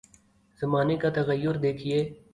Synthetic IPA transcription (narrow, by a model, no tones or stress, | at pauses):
zɐmaːnekat̪ɐɣəjːʊɾd̪eːkʰieː